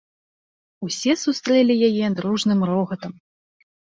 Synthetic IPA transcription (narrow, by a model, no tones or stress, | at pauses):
usʲɛsust̪ɾɛlʲijajɛd̪ɾuʐnɨmɾɔɣɐt̪ɐm